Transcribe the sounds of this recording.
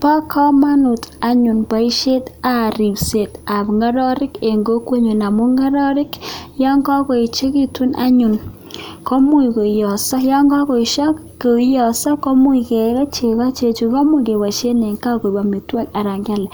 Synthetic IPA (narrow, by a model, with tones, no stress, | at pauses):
pa˦kʰɔ˦ma˦nʊ˨ta˨ɲʊ˨nba˨i˦ʃe˦ta˨ɾi˨pse˨ta˨pŋa˦ɾɔ˦ɾɪ˦ke˨ŋɡo˦kwe˦ɲu˨na˨mʊ˦ŋa˦ɾɔ˦ɾɪ˦kjɔ˦ŋɡɔ˦kɔ˨i˨t͡ʃe˦ki˦tu˦na˦ɲʊ˨n | kɔ˦mu˦i˨ko˨jɔ˨sɔ˦ja˦ŋɡɔ˦kɔ˨i˨ʃɔ˦k | ko˨˦jɔ˨sɔ˦kɔ˦mu˦i˨ke˨ka˦t͡ʃe˨ka˦t͡ʃe˨t͡ʃu˨ka˦mʊ˦˨ke˨wa˨ʃe˦ne˨ŋka˦ko˨ba˨mi˨twa˦ka˨ɾa˨ŋɡa˦lɛ˨